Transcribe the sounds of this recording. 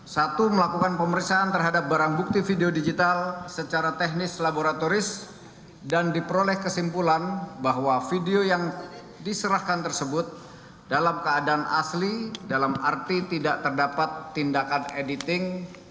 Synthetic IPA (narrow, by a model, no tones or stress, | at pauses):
sat̪uməlakukanpəməɾiksaːnt̪ərɦadap̚baɾaŋbuk̚t̪ifideodid͡ʒit̪alsət͡ʃaɾat̪ɛɦnɪslaboɾat̪oɾɪs | dandipəɾolɛhkəsimpulanbaɦwafideojaŋ | disəɾahkant̪ərsəbʊt̪̚ | dalamkəadaːnʔa̰slidalamart̪it̪idaʔt̪ərdapat̪ːindakanedit̪ɪŋ